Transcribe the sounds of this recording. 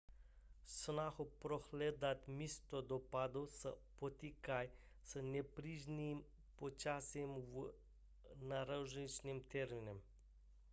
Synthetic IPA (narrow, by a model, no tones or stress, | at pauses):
snaxɔpɾɔxleːd̪at̪mist̪ɔd̪ɔpaːd̪osə̰pɔt̪ikaj | sənɛpɾiʒnim | pɔt͡ʃasimw | naɾawʒnit͡ʃnimt̪eɾminɛm